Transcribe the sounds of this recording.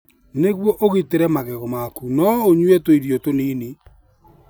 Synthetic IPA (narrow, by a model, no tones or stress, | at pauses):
neɣwɔʔoɣeteɾɛmaɣɛɣɔmakunɔoɲwɛtoiɾjɔtoneːni